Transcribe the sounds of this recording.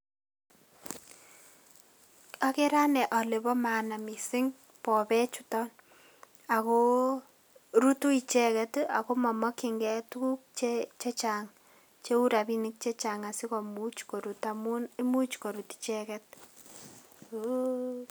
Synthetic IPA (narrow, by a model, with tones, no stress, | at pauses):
a˦ke˦ɾa˦nɛ˨ʔɔ˨le˨bɔ˦ma˨na˨mi˨sɪ˦ŋ | pɔ˨bɛ˦t͡ʃu˦tɔ˦n | a˨ko˦ | ɾu˦tu˦i˨t͡ʃɛ˦kɛ˦ta˨ko˦mɔ˨mɔ˦kɪ˨ŋɡɛ˦tu˦u˦k̚t͡ʃet͡ʃe˦t͡ʃaŋ | t͡ʃe˦u˦ɾa˨bi˦nɪ˦k̚t͡ʃe˦t͡ʃa˨ŋa˨sɪ˦kɔ˨mut͡ʃko˨ɾutamuni˦mu˦t͡ʃko˨ɾu˨ti̥t͡ʃɛkɛ˦t̚